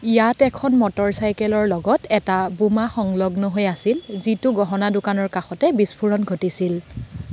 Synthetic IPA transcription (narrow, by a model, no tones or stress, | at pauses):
ijatɛkʰɔnmɔtɔɹsajkɛlɔɹlɔɡɔtɛtabumaxɔŋlɔɡnɔɦojasilzitʊɡɔɦɔnadʊkanɔɹkaxɔtɛbispʰuɹɔnɡʱotisil